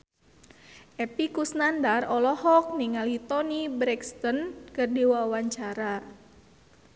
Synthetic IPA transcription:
ʔɛpikusnandarɔlɔhɔk̚niŋalit̪ɔnibɾɛkst̪ɔnkərdiwawaɲt͡ʃaɾa

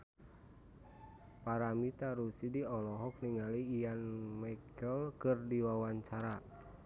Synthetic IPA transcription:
paɾamit̪aɾusidiɔlɔɦɔk̚niŋaliːjanmakəlkɨrdiwawaɲt͡ʃaɾa

